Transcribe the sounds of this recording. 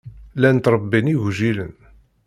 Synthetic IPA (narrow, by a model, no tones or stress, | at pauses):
lænt̪ɾˤəbːiniʝʒilən